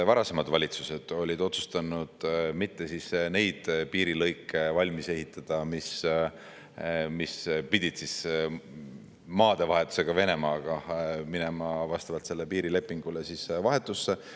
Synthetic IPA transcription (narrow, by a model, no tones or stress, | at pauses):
vɑɾɑse̞mɑd̪vɑlʲit̪suse̞d̪̥o̞lʲid̪o̞t̪su̥st̪ɑnud̪̥mit̪ːe̞sisne̞jd̪̥piːɾilɤjkːˑevɑlʲmise̞ɦhit̪ːˑɑd̪̥ɑmis | mispid̪̥ʲid̪̥sis | mɑːd̪̥e̞vɑɦe̞t̪ːu̥se̞ɡ̥ɑve̞ne̞mɑːɡ̥ɑminemɑvɑst̪ɑvɑlt̪se̞lːepiːɾile̞pːˑiŋɡ̥ulesisvɑɦe̞t̪ːˑusːe̞